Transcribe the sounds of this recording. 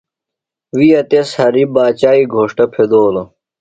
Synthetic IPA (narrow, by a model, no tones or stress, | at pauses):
wiːɐt̪eshɐɾibaːt͡ɕaːiɡʱoːʂʈɐpʰed̪oːlo